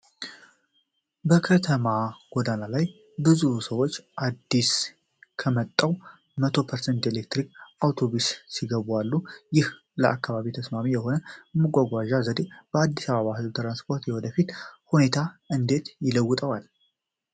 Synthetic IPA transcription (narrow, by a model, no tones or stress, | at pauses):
bəkʰət̪ʰəmaɡ̥od̪analaj | bɨzusəwot͡ʃːʔad̪ːis | kʰəmət̪ʼːəw | mət̪ʰo̞pʰəɾsent̪elek̚t̪ɾikawt̪ʰo̞βussiɡəβalːujɪh | ləʔakːaβaβit̪ʰəsmamijɛho̞nəmɨɡʷʼaɡʷaʒazəd̪eb̥əad̪ːisaβəβahɨzbt̪ʰɨɾanspʰo̞ɾt̪jewɔd̪əfit̪hune̞t̪ʰaʔɨnd̪e̞t̪jɪləwːɨt̪ʼəwal